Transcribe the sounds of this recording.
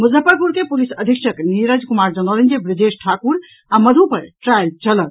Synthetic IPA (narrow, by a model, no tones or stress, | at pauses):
muzəpəɾpuɾkepulisəd̪ʱikʃəkniɾəd͡ʒkumaɾd͡ʒənɔlənd͡ʒebɾid͡ʒesʈʰakuɾ | aməd̪ʱupəɾʈɾajlt͡ʃələt̪